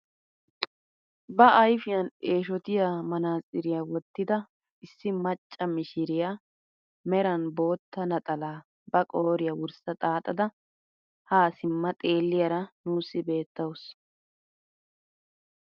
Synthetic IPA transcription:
bɐɐjfɪjɐne̞ːʃɔt̪ɪjaːmɐnaːsʼɪɾɪjaːwɔt̪ːɪd̪ɐ | ɪsːɪmɐt͡ʃʼːɐmɪʃɪɾɪja | mɛɾɐnbo̞ːt̪ːɐnɐt̪ʼɐlaː | bɐkʼoːɾɪjɐwʊɾsɐt̪ʼaːt̪ʼɐd̪ɐ | haːsɪmːɐt̪ʼe̞ːlːɪjɐɾɐnuːsːɪbe̞ːt̪ːɐws

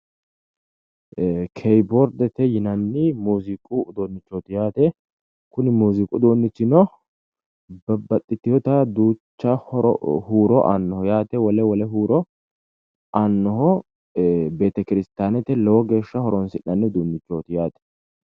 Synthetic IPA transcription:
kʰɛjbɔɾd̪ɛt̪ɛjɪnɐnːɪmuːzikʼud̪oːnːɪt͡ʃːoːt̪ɪjaːt̪ɛ | kʊnɪmuːzikʼʊd̪oːnːɪt͡ʃːɪnɔ | bɐbɐt̪ʼːɪt̪ːɪjɔt̪ɐd̪uːt͡ʃːɐhɔɾɔ̰huːɾɔʔa̰nːɔhɔjaːt̪ɛwɐlɛwɔlɛɦuːɾɔ | ʔanːɔɦɔ | be̞ːt̪ɐkɪɾɪst̪aːnɛt̪ɛlɛwɔɡe̞ːʃːɐhɔɾɔnsɪnːɐnːɪd̪uːnːɪt͡ʃːoːt̪ɪjaːt̪ɛ̥

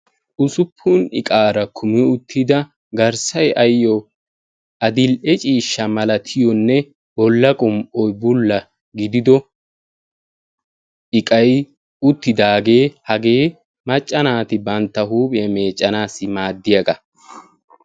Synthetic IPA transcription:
ʔʊsʊpʰːʊnɪ̰kʼaːɾɐkʰʊmɪʊt̪ʰːɪd̪ɐ | ɡɐɾsɐjɐjɔ | ʔɐd̪ɪlʔɛt͡ʃʼiːʃːɐmɐlɐt̪ʰɪjɔnːɛ | bɔlːɐkʼʊmʔɔjbʊlːɐ | ɡɪd̪ɪd̪ɔ | ɪkʼɐj | ʊt̪ːɪd̪aːɡe̞ːhɐɡe̞ː | mɐt͡ʃʼːɐnaːt̪ɪbɐnt̪ːɐɦuːpʼɐme̞ːt͡ʃʼːɐnaːsɪmaːd̪ːɪjɐɡɐ

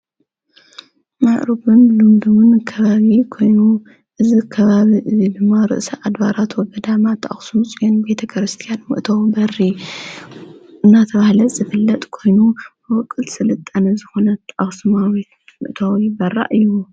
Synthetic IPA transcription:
maʔɾɨbunlund̪umɨnkʰɐβaβikʰo̞jnu | ʔɨzikʰɐβaβiʔɨzid̪ɨmːaɾɨ̰ʔsɐʔad̪βaɾat̪ʰwɔɡɐd̪amat̪ʰːaʔa̰xsumusʼɡɐnbet̪ʰɐkʰɾɨst̪ʰijanmɨʔt̪ʰowbɐri | ɨnːat̪ʰɐβahlɐz̥ɨfɨlːɐt̪ʼkʰo̞jnu | wɔkʼːɨlsɨlɨt̪ʼːɐnɐzɨxo̞nɐt̪ʰːʔaxsumawi | mɨ̰ʔt̪ʰawjbɐrːa̰ʔɨjːu

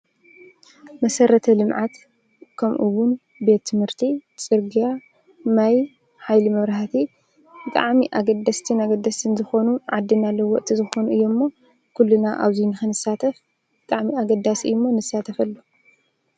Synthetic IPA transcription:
mɐsɐɾɐt̪ʰɐlɨmʕat̪ | kʰɐmʔuwʊn | be̞t̪ʰːɨmhɨɾt̪ʰit͡sʼɨɾɡija | maj | ħajlimɐβɾahat̪ʰi | bɨt̪ʼa̰ʕmiʔaɡɐd̪ɐst̪ʰɨnaɡɐd̪ːɐst̪ʰɨnzɨxo̞nuʕad̪ːinalːɐwɔʔt̪ʼʰizɨxo̞nuʔɨjːo̞mːo̞ | kʰulːunaʔa̰βzinɨxɨnɨsat̪ʰɐf | bɨt̪ʼaʕmiaɡɐd̪ːasiɨːumːo̞nɨsːat̪ʰɐfɐlːu

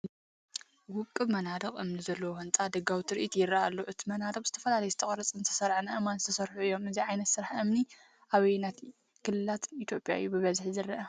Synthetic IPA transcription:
wʊkʼːɨβmɐnad̪ɐqʼʔɨmnizɐlːɐwohɨnt͡sʼad̪ɐɡawt̪ʰɾʔit̪jɪɾːɐʔalːoʔɨt̪ʰimɐnad̪ɐqʼzɨt̪ʰɐfɐlalɐjɛzɨt̪ʰɐχʼɾɐt͡sʼɨnt̪ʰɐ̥sɐɾʕnaʔɨmanzɨt̪ʰɐsɐɾħuɨjːo̞mɨziʕajnɐt̪sɨɾaħʔɨmni | ʔaβɐjnat̪ | kʰɨlːɨlat̪it̪ʰjo̞pʼja̰ɨjːubɨβɐzħzɨɾːɐʔɐ

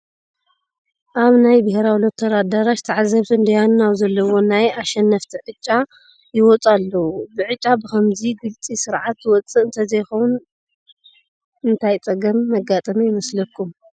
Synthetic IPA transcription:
ʔaβnajbɐheɾawilot̪ʰːɐɾad̪aɾaʃt̪ʰaʕazɐβt̪ʰɨɨnd̪ɐjanuawzɐlːɐwo̞najaʃɛnːɐft̪ʰiʕɨt͡ʃʼːa | jɪwɔt͡sʼalːɐwubɨʕɨt͡ʃʼːabɨkʰɐmziɡɨlt͡sʼisɨɾʕat̪ːwɔt͡sʼɨʔɨnt̪ʰɐzɐjxown | ɨnt̪ʰajt͡sʼɐɡɐmːɐɡat̪ʼɐmijɪmɐslɐkʰːum

